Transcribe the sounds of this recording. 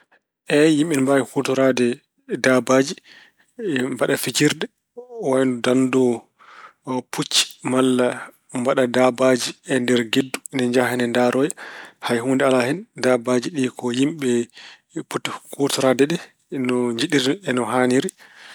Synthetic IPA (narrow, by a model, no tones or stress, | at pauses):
ʔɛjimɓɛnmbawikutɔɾadɛ | dabad͡ʒi | mbaɗafit͡ʃiɾdɛ | wajnɔdandɔ | pʰut͡ʃːi̥malːa | mbaɗadabad͡ʒiɛndɛɾɡedːunɛɲd͡ʒahɛnɛndaɾɔjɛhajɦuːndɛalahɛndabad͡ʒiɗikɔjimɓɛ | putːikutɔɾadɛɗɛ | nɔɲd͡ʒiɗiɾɛnɔɦaniɾi